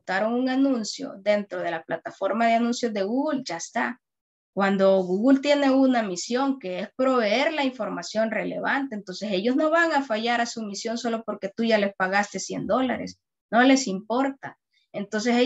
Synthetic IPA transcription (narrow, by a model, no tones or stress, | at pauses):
t̪aɾo̞ŋuŋanũnsjo̞̰d̪e̞nt̪ɾo̞ð̞e̞laplat̪afo̞ɾmaðeanũnsjo̞zðe̞ɣuɣulʝaest̪a | kwand̪o̞ɣuɣult̪je̞ne̞unamisjo̞ŋke̞espɾo̞βe̞e̞ɾlaiɱfo̞ɾmasjo̞nre̞le̞̰βant̪e̞ːnt̪o̞nse̞se̞ʝo̞zno̞βaŋafaʝaɾasumisjo̞nso̞lo̞po̞ɾke̞t̪uʝale̞spaɣast̪e̞sje̞̰nd̪o̞la̰ɾe̞̰s | no̞le̞simpo̞ɾt̪a | ent̪o̞ns̬e̞se